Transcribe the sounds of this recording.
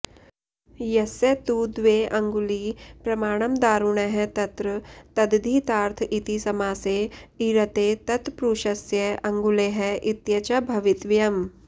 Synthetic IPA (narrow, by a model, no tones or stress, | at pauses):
jɐsɐt̪ud̪ʋeːʔɐŋɡulipɾɐmaːɽ̃ɐmd̪aːɾuɳ̃eɦɛt̪ɐt̪ɾɐt̪ɐd̪d̪ʱiːt̪aːɾt̪ʰit̪isɐmaːseːiɾɐt̪eːt̪ɐt̪pɾuːʃɐsjɐɐ̃ŋɡuleːɦɛʔit̪jɐt͡ʃabʱɐʋɪt̪ʋjɐm